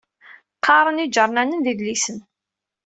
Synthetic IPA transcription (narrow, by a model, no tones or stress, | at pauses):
qʰːɑɾˤənid͡ʒəɾˤnænənðiðlisən